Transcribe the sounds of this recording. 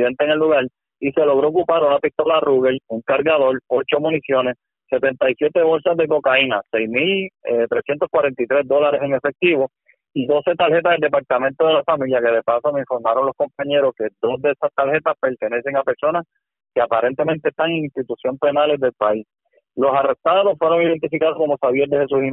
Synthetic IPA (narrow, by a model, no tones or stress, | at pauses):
ðent̪eŋe̞lːuɣaɾ | ise̞lo̞ɣ̞ɾoːkupaɾunapist̪o̞laruɣeluŋkaɾɣaðo̞ɾo̞t͡ʃo̞mũnisjo̞ne̞s | se̞t̪e̞nt̪ajsje̞t̪e̞βo̞lsazðe̞ko̞kainasejsmilet̪ɾesjent̪o̞skwaɾe̞nt̪it̪ɾe̞zd̪o̞laɾe̞se̞ŋe̞fe̞k̚t̪iβo̞ | iðo̞se̞t̪alhe̞t̪aðeld̪e̞paɾt̪amẽnt̪o̞ðe̞lafamiljake̞ðe̞pasomeiɱfo̞ɾmaɾo̞nlo̞hko̞mpaɲe̞ɾo̞sked̪o̞sðeesast̪alhe̞t̪aspe̞ɾt̪e̞ne̞se̞ŋape̞ɾso̞nas | keapaɾe̞nt̪e̞mẽ̞nt̪eːst̪aŋeŋinst̪it̪usjo̞mpe̞nale̞zðe̞lpais | lo̞sare̞st̪aðo̞sfwe̞ɾo̞ŋiðe̞nt̪ifikaðoko̞mosaβjeɾd̪ehes̬uhim